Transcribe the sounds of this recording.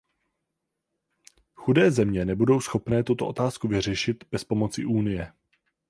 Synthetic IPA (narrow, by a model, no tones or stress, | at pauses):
xudɛːzɛmɲɛnɛbudo̞wsxo̞pnɛːt̪ut̪o̞ʔot̪aːskuvɪr̝ɛʃɪt̪b̥ɛspo̞mo̞t͡sɪʔuːnɪjɛ